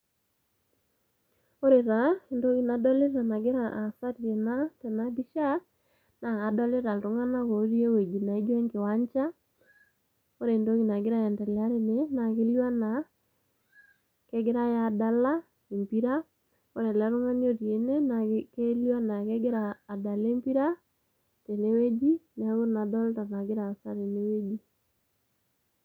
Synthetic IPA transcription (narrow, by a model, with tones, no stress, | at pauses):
o˦ɾe˨ɾa˨e˨ndo˦ɣi˦na˨dɔ˦le˦ɾa˨na˨ɡe˦ɾa˨ʔa˨sa˦ɾje˨na˦tɛ˨na˦bi˦ʃa˦ | na˨a˨dɔ˦le˦ɾa˨lɾo˨˦ŋa˦na˦ko˨˦ɾje˦we˨d͡ʒi˨na˨e˦dwɛ˦ŋke˨wa˦ɲt͡ʃa˦ | o˦ɾe˨ndo˦ɣi˨na˨ɡe˦ɾa˦ja˨ndɛ˨la˦ɾe˦ne˨˦na˨ke˦lwa˦na˨ | ke˦ɡɪ˦ɾa˦ja˨da˨la˦ | e˨mpi˦ɾa˦ | o˦ɾe˨la˨˦ɾo˦ŋa˦n˦o˦ɾje˨ne˦na˨ke˦lja˦na˨ke˦ɡɪ˦ɾaː˨da˨le˦mpi˦ɾa˦ | te˨ne˦we˦d͡ʒi˦n˨a˦ɣo˦˨na˨dɔ˦lta˨na˨ɡɪ˦ɾa˨sa˦ɾe˨ne˦we˦d͡ʒi˦